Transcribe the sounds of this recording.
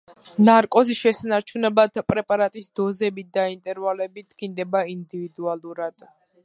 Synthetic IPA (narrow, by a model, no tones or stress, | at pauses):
naɾkʼɔziʃɛsanaɾt͡ʃʰunɛblat̪ʰpʼɾɛpʼaɾat̪ʼisd̪ɔzɛbit̪̚d̪aint̪ʼɛɾvalɛbid̪ɡind̪ɛbaind̪ivid̪ualˠuɾad̪̥